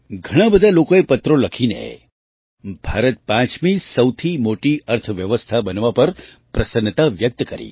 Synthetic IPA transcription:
ɡʱəɽ̃ãbəd̪ʱalokoepət̪ɾoləkʰinḛ | bʱaɾət̪̚pãt͡ʃmisəwt̪ʰimoʈiʔəɾt̪ʰəʋjəʋəst̪ʰabənʋapəɾ | pɾəsənt̪aʋjək̚t̪kəɾḭ

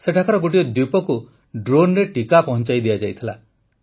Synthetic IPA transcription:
seʈʰakaɾɔɡoʈiɔd̪upɔku | ɖɾonɾeʈikapɔɦɔ̃nt͡ʃajd̪ijad͡ʒajt̪ʰila̰

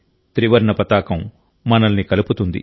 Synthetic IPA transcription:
t̪ɾiʋɐɾɳɐpɐt̪aːkɐmː | ɐnɐlnikɐluput̪und̪ḭ

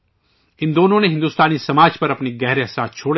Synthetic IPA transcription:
ɪ̃nd̪oːnõneɦɪ̃nd̪uːst̪aːnisɐmaːd͡ʒpɐɾɐpniɡɛɦɾeɐsaːt̪t͡ʃʰoːɽ

